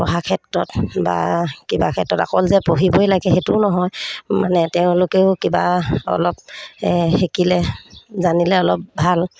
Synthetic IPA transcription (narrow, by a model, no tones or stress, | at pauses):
pɔɦakʰɛtɹɔtba̰kiba̰kʰɛtɹɔta̰kɔlzɛpoɦibojlaɡɛɦetʊʊnɔɦɔjmanɛtɛʊ̃lʊkeʊkibaɔ̰lɔp̚ | xekilɛzanilɛɔlɔp̚bʱal